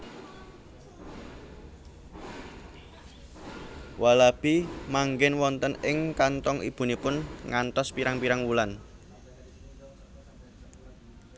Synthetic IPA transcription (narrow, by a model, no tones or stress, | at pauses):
wʔalab̥imaŋɡɪnwɔnt̪ənɪŋkant̪ɔŋib̥ṳnipʊnŋant̪ɔspiɾaŋpiɾaŋwulan